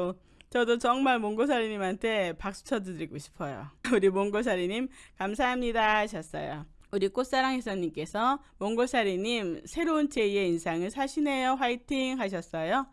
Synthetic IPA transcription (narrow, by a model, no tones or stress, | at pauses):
o | t͡ɕʌdot͡ɕʌŋmaɭmoŋɡosʰaɾiɲimɦantʰe̞pak̚s͈u̥t͡ɕʰʌdɯdɯɾiɡoɕʰi̥pʰʌjo̰uɾimoŋɡos̬ʰaɾiɲimkams̬ʰaɦamɲidaaɕʰʌs͈ʌjouɾik͈os͈aɾaŋɦesʰʌɲimk͈e̞sʰʌmoŋɡosʰaɾiɲimsʰe̞ɾount͡ɕe̞ie̞insʰaŋɯɭsʰaɕʰine̞joɸwaitʰiŋɦaɕʰʌs͈ʌjo